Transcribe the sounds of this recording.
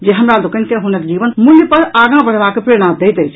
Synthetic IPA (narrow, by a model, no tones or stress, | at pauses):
d͡ʒeɦəmɾalokənkeɦunək̚d͡ʒibənmuljəpəɾaɡãbəɽ̤bakːepɾeɽ̃ãd̪ejt̪əjt͡ʃʰ